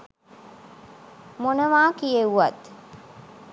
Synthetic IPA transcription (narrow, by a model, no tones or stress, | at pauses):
monəʋaːkijeuʋat̪